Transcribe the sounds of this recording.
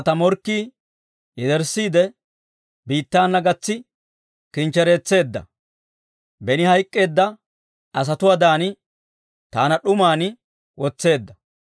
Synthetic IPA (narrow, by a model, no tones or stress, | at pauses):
t̪ɐmɔɾkːiː | ɪd̪ɛɾsːiːd̪ɛ | biːt̪ːaːnːɐɡɐt͡sːɪ | kɪnt͡ʃːɛɾe̞ːt͡sːe̞ːd̪ːɐ̰ | bɛnɪhɐjkʼːe̞ːd̪ːɐ | ɐs̬ɐt̪ʊwaːd̪aːnɪ | t̪aːnɐɗʊmaːnɪ | wʔɔt͡sːe̞ːd̪ːɐ